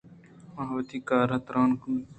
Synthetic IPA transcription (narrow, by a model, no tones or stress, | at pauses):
maɦʋt̪iːkaːɾɦət̪ɾaːnk